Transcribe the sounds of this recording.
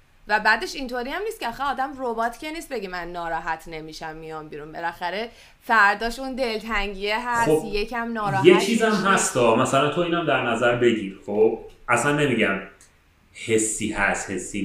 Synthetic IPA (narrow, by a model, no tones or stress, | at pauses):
væbæːd̪e̞ʃint̪ʰoɾiːæmniːst̪̚cʰeæxæɒːd̪æmrobɒːt̪ʰcʰe̞niːst̪be̞ɟimænːɒːɾɒːɦæt̪ʰne̞miːʃæmːijɒmbiːɾunbelæxæɾe̞ | fæɾd̪ɒːʃund̪e̞lt̪ʰæŋɟijeɦæsob̪jecʰæmnɒːɾɒːjet͡ʃʰiːzæmɦæst̪ɒːmæsælænt̪ʰoiːnæmd̪æɾnæzæɾbe̞ɟiːɾχob̥ʔæsænmemiɟæm | he̞sːiːhæst̪hesːiː